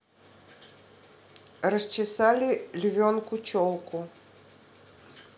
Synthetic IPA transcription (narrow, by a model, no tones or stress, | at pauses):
rɐst͡ʃisalʲilʲvʲɔnkut͡ɕʲɔlˠku